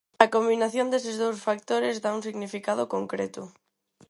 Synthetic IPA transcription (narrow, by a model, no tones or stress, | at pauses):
ɐkombinaθjond̪es̬ezðowsfakt̪oɾɪzðauŋs̬iɣnifikaðʊkoŋkɾet̪ʊ